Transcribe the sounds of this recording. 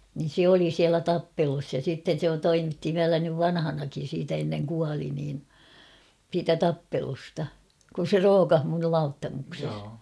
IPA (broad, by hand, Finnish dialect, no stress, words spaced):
nin̞ se oli siælæ tɑpːelus jɑ sitːen̞ se toimitːi ʋiælæ nyʋ ʋɑnhɑnɑkin̞ siːtæ enːeŋ kuɑli niːn siːtæ tɑpːelustɑ kun̞ se roːkɑh mun nyl lɑutːɑmukses